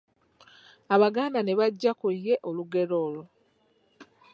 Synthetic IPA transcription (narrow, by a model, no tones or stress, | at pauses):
aβaɡaːndane̞βaɟːakujːe̞ʔoluɡe̞ɾo̞ːlo